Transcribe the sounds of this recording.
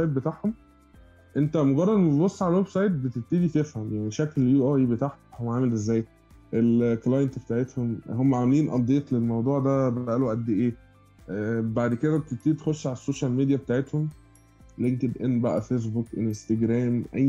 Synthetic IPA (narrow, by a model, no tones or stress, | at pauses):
sɑjt̪̚bet̪aːʕhom | ʔent̪æmoɡɑrˤːɑd̪meʃbosˤːʕalælwebsɑjt̪̚bet̪et̪ːiːd̪it̪efhæmjaʕniʃækljuʔæibet̪aːʕt̪ohowːæʕaːmelʔezːæːj | ʔelklɑjent̪bet̪aːʕet̪homhomːæʕamæliːnʔɑd̪ːeːt̪ˤlelmɑwd̪ˤuːʕd̪æbææʔælwʔæt̪̚d̪eʔeː | baʕd̪ked̪æet̪et̪iːd̪it̪e̥xoʃːʕalæsːoːʃælmid̪ijæbet̪aːʕet̪hom | leɡt̪ed̪ʔenːbæʔæ̰fes̬bukʔelenst̪æɡɾæːmʔæjː